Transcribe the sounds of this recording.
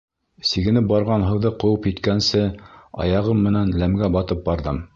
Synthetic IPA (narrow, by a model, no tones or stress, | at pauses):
siɡɘ̆nɘp̚bɑɾʁɑnɦɤ̆wðɤqŏwɤpjit̪kænsɘɑ̰jɑʁɤmːɘ̆nænlæmɡæbɑt̪ɤp̚bɑɾðɤm